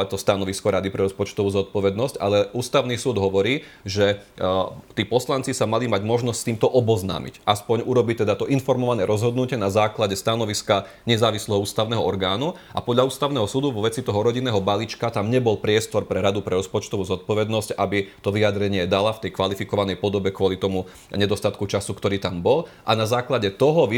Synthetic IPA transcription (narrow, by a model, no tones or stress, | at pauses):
at̪ɔst̪anɔʋiskɔɾad̪ipɾɛɾɔspɔt͡ʃt̪ɔʋuːzɔt̪̚pɔʋɛd̪nɔsca̰lɛuːst̪aʊnisuːd̪ɦɔʋɔɾiː | ʒɛ | t̪iːpɔslant͡sisamalimaɟmɔʒnɔscst̪iːmt̪ɔʔɔbɔzna̰ːmḭcʔaspɔɲuɾɔbit̪ɛd̪at̪ɔʔinfɔɾmɔʋanɛɾʔɔzɦɔd̪nucɪɛnazaːklaɟɛst̪anɔʋiska | ɲɛzaːʋislɛɦɔuːst̪aʊnɛɦɔɔɾɡaːnu | ʔa̰pɔd̪ʎauːst̪aʊnɛɦɔsud̪uʋɔʋɛt͡sit̪ɔɦɔɾɔɟinːɛːɦɔbalit͡ʃkat̪amɲɛbɔlpɾɪɛst̪ɔɾpɾɛɾad̪upɾɛɾɔspɔt͡ʃt̪ɔʋuːzɔt̪̚pɔʋɛd̪nɔscabit̪ɔʋiad̪ɾɛɲɪɛd̪alaft̪ɛjkʋalifikɔʋanɛjpɔd̪ɔbɛkʋɔlit̪ɔmu | ɲɛd̪ɔst̪at̪kut͡ʃasukt̪ɔɾiːt̪ambɔl | ʔanazaːklaɟɛt̪ɔɦɔʋ